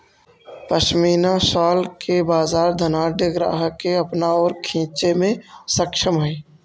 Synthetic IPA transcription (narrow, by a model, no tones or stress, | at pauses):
pəʃmiːnaʃaːlkebaːzaːɾd̪ʱənaːɾɖəɡɾa̰ːɦəkːeɐpnaɔːɾkʰĩːt͡ʃemẽsəkʃəmɦɛ̃ː